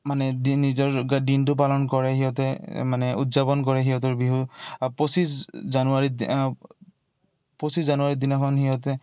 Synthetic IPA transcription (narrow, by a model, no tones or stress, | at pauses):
manɛdinizɔɹɡadintʊp̬alɔnkɔɹɛhiɦɔtɛmanɛṵtzabɔnkɔɹɛɦiɦɔt̬ɔɹbiɦupɔsiszanuaɹid | pɔsiszanuaɹid̪inɔkʰɔnhiɦɔtɛ